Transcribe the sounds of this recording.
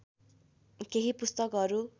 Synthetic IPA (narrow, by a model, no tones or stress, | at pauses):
keɦipust̪ʌkʌɾu